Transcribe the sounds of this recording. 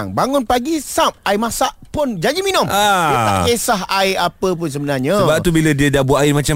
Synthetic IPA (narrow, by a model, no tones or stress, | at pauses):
ŋbaŋʊnpaɡisap̚ajmasaʔpʊnd͡ʒaɲd͡ʒiminʊ̃maiəd̪aʔkesaɦajapəp̬ʊns̬əbənarɲãəbap̚t̪ubilədiədabuaɪmãt͡ʃa